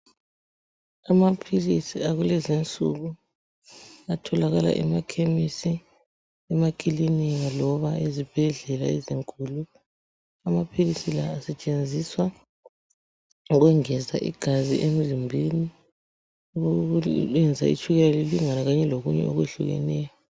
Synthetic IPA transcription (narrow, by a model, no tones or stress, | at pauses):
amapʰilisiaɣulɛzint͡sʼṵɣu | atʰɔlaɣala̰ʔɛ̰makʰemisi | ɛmakʼiliniŋalɔβaezib̥ʱɛɮɛla̰ɛziŋkʼulu | amapʰilisilaːsɛt͡ʃʼend͡zʱiswa | ɣɛŋɛza̰ʔḭɡ̥ʱazḭʔem̩zimbʱini | uuɛnd͡zʱa̰ḭt͡ʃʰʼuɣɛlaliliŋanaɣaɲɛloɣuɲɛ̰o̰ɣweɬṵɣɛ̰nɛːjɔ